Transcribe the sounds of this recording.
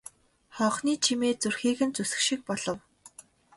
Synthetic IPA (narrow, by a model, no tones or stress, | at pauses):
χɔːχniːt͡ɕʰimeːt͡surxiːɣɘ̆nt͡susɘ̆xʃĭk̚pɔɮɞ̆w